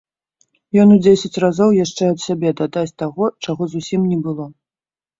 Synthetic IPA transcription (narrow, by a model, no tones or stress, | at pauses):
jɔnud͡zʲesʲɐt͡sʲrazɔwjaʂt͡ʂɛɐt̪sʲabʲɛd̪ad̪at͡sʲt̪aɣɔt͡ʂaɣɔzusʲimnʲɛbɨlˠɔ